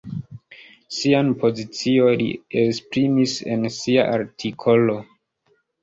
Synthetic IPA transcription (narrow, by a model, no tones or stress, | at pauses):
sianpʰozit͡siolḭekspɾimisḛnsia̰ʔaɾtʰikʰolo̞